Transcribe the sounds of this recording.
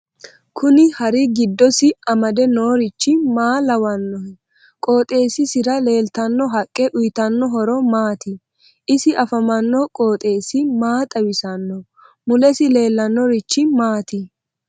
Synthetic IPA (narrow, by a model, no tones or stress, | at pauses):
kʰʊnɪhɐɾɪɡɪd̪ːɔsɪɐmɐd̪ɛnoːɾɪt͡ʃːɪmaːlɐwɐnːɔhɛ | kʼo̞ːt̪ʼe̞ːsɪsɪɾɐle̞ːlt̪ɐnːɔɦɐkʼːɛʔʊjt̪ɐnːɔɦɔɾɔmaːt̪ɪ | ʔɪsɪʔɐfɐmɐnːɔkʼoːt̪ʼe̞ːsɪmaːt̪ʼɐwɪsɐnːɔ | mʊlɛsɪle̞ːlːɐnːɔɾɪt͡ʃːɪmaːt̪ɪ